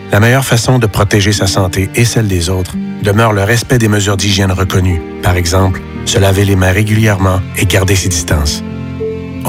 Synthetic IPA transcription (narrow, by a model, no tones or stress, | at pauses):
lamɛjœʁfasɔ̃d̪əpχɔt̪eʒesasɑ̃t̪eesɛld̪ezot̪χd̪əmœːʁləʁɛspɛd̪eməzyːʁd̪iʒjɛnʁəkɔny | paʁɛɡzɑ̃pl | səlavelemɛ̃ʁeɡʲyljɛʁmɑ̃eɡaʁd̪esed̪ist̪ɑ̃ːs